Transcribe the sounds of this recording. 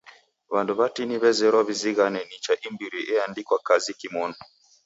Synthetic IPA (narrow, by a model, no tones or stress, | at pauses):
βanduβatiniβɛzɛɾɔβiziɣanɛnit͡ʃaʔimbiɾiʔɛandikwakazikimɔn